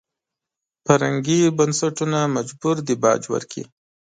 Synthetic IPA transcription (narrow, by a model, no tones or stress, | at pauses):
paɾaŋɡibansaʈunamad͡ʒbuɾd̪ibɑ̰d͡ʒwə̰ɾkʰḭ